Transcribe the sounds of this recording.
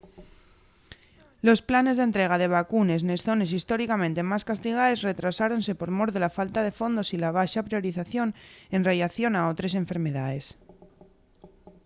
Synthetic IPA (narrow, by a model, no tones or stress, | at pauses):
lo̞splane̞zðe̞nt̪ɾe̞ɣ̞að̞e̞β̞akune̞snesθo̞ne̞sist̪o̞ɾikamẽnt̪e̞maskast̪iɣ̞aesre̞t̪ɾasaɾo̞nse̞po̞ɾmo̞ɾðelafalt̪aðe̞fo̞nd̪o̞silaβ̞aʃapɾio̞ɾiθaθjo̞ne̞nrejaθjo̞nao̞t̪ɾe̞s̬e̞ɱfe̞ɾme̞ðaðe̞s